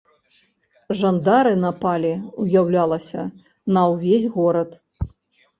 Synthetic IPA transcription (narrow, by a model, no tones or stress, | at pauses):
ʐand̪aɾɨnɐpalʲiujawlʲalˠɐsʲɐ | nɐwvʲezʲɣɔɾɐt̪